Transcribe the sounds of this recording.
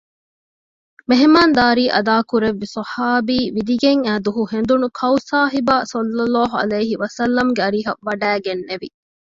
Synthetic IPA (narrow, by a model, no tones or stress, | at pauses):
meɦemaːnd̪aːɾiːʔɐd̪aːkuɾeʋːisɐhaːbiːʋid̪iɡeŋæːd̪uɦuhend̪unukʰɐwsaːɦibaːsɐlːɐlːaːɦuɐ̰lɐjɦiʋɐsɐlːɐmɡeɐɾiːɦɐːɐɖæːɡenːeʋḭ